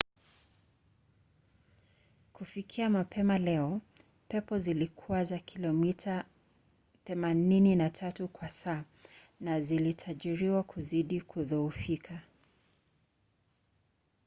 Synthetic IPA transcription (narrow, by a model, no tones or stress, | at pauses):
kufikʰiamapʰɛmalɛɔ | pɛpɔzilikʰuwazakʰilɔmitʰa | θɛmanininatʰatukwasaː | nazilitʰaʄiɾiwakʰuziɗikʰuðɔufikʰa